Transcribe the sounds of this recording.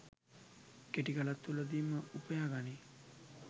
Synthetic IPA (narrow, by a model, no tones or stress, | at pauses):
keʈiɡalat̪ːuləd̪iːməupəjaːɡani